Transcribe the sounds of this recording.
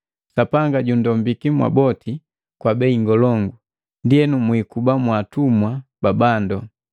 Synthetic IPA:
sapaŋɡaɟundɔmbikimwa̰bɔtʰi | kwabɛiŋɡɔlɔŋɡu | ndiɛnumwikubamwatumwababandɔ

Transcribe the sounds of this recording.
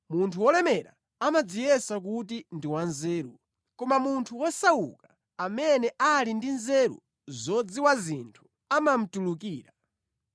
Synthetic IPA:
muntʰuwɔlɛmɛɾa | amad͡zijɛsak̬utindiwanzɛːɾu | kɔmamuntʰuwɔsawṵka | amɛnɛʔalindinzɛɾṵ | zɔd͡ziwazintʰu̥ | amam̩tuluk̬iːɾa

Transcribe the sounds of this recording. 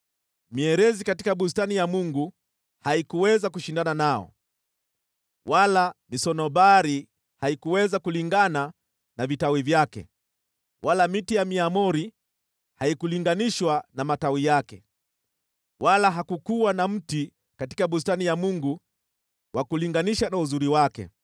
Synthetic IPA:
miɛɾɛzikati̥kaɓustanijamuŋɡu | haikuwɛzakuʃindananaɔ̰ | walamisɔnɔɓaɾi | haikuwɛzakuliŋɡana | navitawivjakɛ̰ | wʔalamitijamiamɔɾi | haikuliŋɡaniʃwanamatawijakɛ̰ | walaɦakukuwanam̩ti | kati̥kaɓus̬tanijamuŋɡu | wakuliŋɡaniʃanauzuɾiwakɛ̰

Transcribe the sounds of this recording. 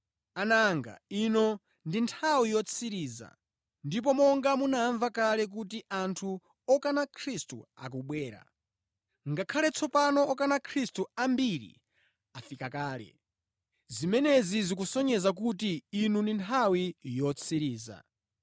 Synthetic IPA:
anaŋɡa̰inɔ | ndintʰawijɔt͡sʰiɾiːza̰ | ndip̬ɔmɔŋɡamunaɱvakalɛk̬ut̬iʔantʰu | ɔkanakʰɾistṵa̰k̬uɓwɛːɾa̰ | ŋɡakʰalɛt͡sʰɔpanɔːkanakʰɾistuambiɾḭ | afikakaːlɛ̰ | zimɛnɛzizik̬usɔɲɛzak̬utiːnundintʰawijɔt͡sʰiɾiːza̰

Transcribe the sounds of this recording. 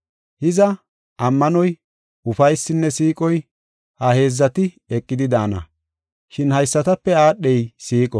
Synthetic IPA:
hɪzɐ | ʔɐmːɐnɔj | ʊfɐjsːɪnːɛsiːkʼɔj | hɐhe̞ːzːɐt̪ɪ | ɛkʼːɪd̪ɪd̪aːnɐ̰ | ʃɪnhɐjsːɐt̪ɐpːɛaːɗːɛjsiːkʼɔ

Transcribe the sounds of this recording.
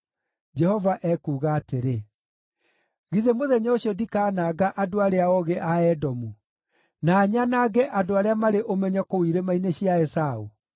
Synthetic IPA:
d͡ʒɛhɔvaʔɛkuːɣaːteɾe | ɣiðemoðɛɲɔoɕiɔdikaːnaːɡaʔadoaɾeaɔɣɛʔaɛdɔmu | naːɲanaɡɛʔadoaɾeamaɾeʔomɛɲakowiɾemaineɕjaɛsau

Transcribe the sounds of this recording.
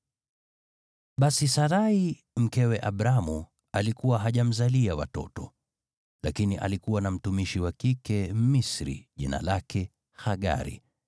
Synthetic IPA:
ɓasisaɾai | m̩kɛwɛʔaɓɾamu | alikuwaɦaʄam̩zaliawa̰tɔ̰tɔ | lakiniʔa̰likuwanam̩tumiʃiwakikɛmisɾḭʄina̰lakɛ | xaɠa̰ɾḭ

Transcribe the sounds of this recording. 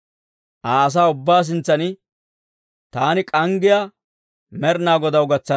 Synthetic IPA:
ʔaːs̬aːʊbːaːs̬ɪnt͡sːɐnɪ | t̪aːnɪkʼɐŋɡɪja | mɛɾnaːɡɔd̪ɐwɡɐt͡sːɐ

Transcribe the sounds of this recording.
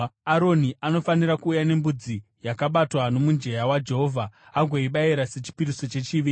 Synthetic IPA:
aɾo̞niʔano̞fanirakuːjane̞mbud͡zi | jakaɓatwano̞mund͡ʒe̞jawad͡ʒe̞ɦo̞vʱaaɡʱoiɓaiɾase̞t͡ʃi̥piɾiso̞t͡ʃe̞t͡ʃiʋiːi

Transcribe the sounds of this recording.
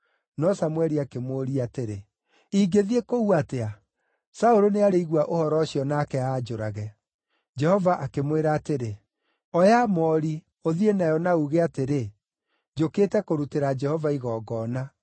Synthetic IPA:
nɔsamwɛɾiakemoɾiateɾe | iɡeðiekouatea | saoɾoneaɾeiɣwaʔohɔɾɔɕjɔnakɛaːd͡ʒoɾaɣɛ | d͡ʒɛhɔvaʔakemweɾaːteɾe | ɔjamɔɾi | oðienajɔnauɣeateɾe | d͡ʒoketɛkoɾuteɾad͡ʒɛhɔvaiɣɔːɡɔːna

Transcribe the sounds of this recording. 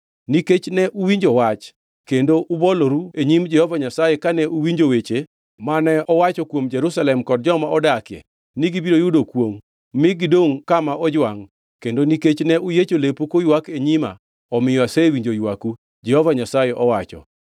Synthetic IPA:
niket͡ʃnɛʔuwiɲd͡ʒowat͡ʃ | kendoʔuboloɾueɲimd͡ʒɛhɔvaɲasajekanɛʔuwiɲd͡ʒowet͡ʃe | manɛɔwat͡ʃɔkwomd͡ʒɛɾusalɛmkɔd̚d͡ʒɔmaɔdakɪɛ̰ | niɡibiɾojʊdokwomː | ɪɡidoŋkamaɔd͡ʒwaŋ | kendoniket͡ʃnɛʔujet͡ʃolepokojwakeɲima̰ | ɔmɪjɔasewiɲd͡ʒojwaku | d͡ʒɛhɔvaɲasajeʔɔwat͡ʃɔ̰

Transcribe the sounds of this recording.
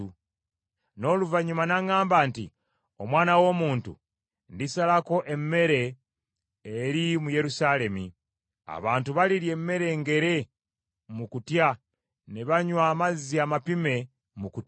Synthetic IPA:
u | no̞ːluvaɲumanaŋaːmbaːntḭ | o̞mwaːnawo̞muːntṵ | ndisalako̞ʔe̞mːe̞ɾe̞ː | ɾimuje̞ɾusale̞mi | a̰βaːntuβaliɾje̞mːe̞ɾe̞ːŋɡe̞ɾe̞ | mukutja | neβaɲwaːmaziamapime̞ | muku

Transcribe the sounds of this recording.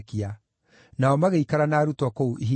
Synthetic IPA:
kia | naɔmaɣeikaɾanaːɾutwɔkouʔiɦi

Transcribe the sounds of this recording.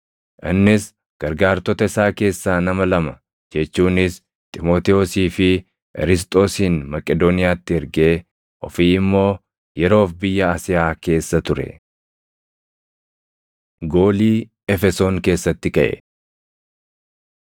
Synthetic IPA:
ʔɪnːɪs | ɡ̥ɐɾɡaːɾt̪ɔt̪ɐɪsaːke̞ːsːaːnɐmɐlɐmɐ | d͡ʒɛt͡ʃːuːnɪs | t̪ʼɪmo̞ːt̪ɛosiːfɪ | ʔɛ̰ɾɪs̬t̪ʼo̞ːsiːnmɐkʼɛd̪oːnɪjaːt̪ːɪɛɾɡeː | ʔɔfiːɪmːo̞ː | jɛɾo̞ːfbɪjːɐaːsɪjaːke̞ːsːɐt̪ʊɾɛ̰ | ɡo̞ːliː | ɛfɛsoːŋke̞ːsːɐt̪ːɪkɐʔɛ̰

